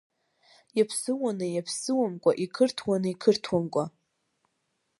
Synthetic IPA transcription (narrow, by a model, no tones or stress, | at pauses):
japʰsɨwanɨjapʰsɨwamkʷʼa̰ʔikʰɨrtʰwanɨikʰɨrtʰwamkʷʼa